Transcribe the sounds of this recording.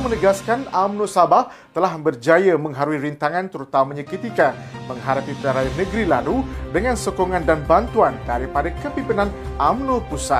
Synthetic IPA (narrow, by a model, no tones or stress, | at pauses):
mənəɡaskanamnõsabaht̪əlahbərd͡ʒajəmə̃ŋɦaɾuiɾint̪aŋant̪əɾut̪amamãɲakət̪ika | mə̃ŋɦaɾap̪it̪əaɾajanəɡɾilaludəŋãnsokoŋãndanbant̪uandaɾipadakəpimpinãnʔamnõpusat